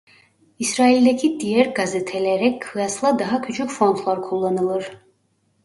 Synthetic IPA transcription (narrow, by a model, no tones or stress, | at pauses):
isɾailʲd̪ɛcʰid̪ijæɾɡazɯt̪ʰɛlʲɛɾɛkkʰɯjaslˠad̪aɦacʰyt͡ʃʰycʲfɾo̞nt̪ʰlˠaɾkʰulˠːanɯlˠɯɾ̥